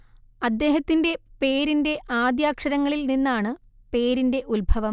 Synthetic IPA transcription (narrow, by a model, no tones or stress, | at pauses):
ɐd̪ːe̞ːɦɐt̪ːinde̞pe̞ːɾinde̞ʔaːd̪jaːkʂɐɾɐŋːɐɭilninːaːɳɨ | pe̞ːɾinde̞ʔulbʱɐʋɐm